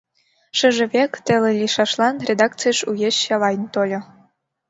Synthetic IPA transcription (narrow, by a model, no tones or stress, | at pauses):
ʃə̆ʒɘ̆βekt̪ĕlĕlʲiʃɑʃlˠɑnrʲed̪ɑk̚t͡sɨjʃujeɕɑlɑjnt̪olʲɤ̆